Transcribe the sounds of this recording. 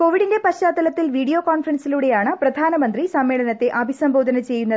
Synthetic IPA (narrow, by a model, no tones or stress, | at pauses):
ko̞ːʋiɽinde̞pɐɕaːt̪ːɐlɐt̪ːilʋiːɽijo̞ːkaːnfrɐnsiluːɽe̞jaːɳɨprɐd̪ʱaːnɐmɐnd̪risɐmːeːɭɐnɐt̪ːe̞ʔɐbʱisɐmbʱo̞ːd̪ʱɐnɐt͡ɕe̞jːunːɐðɨ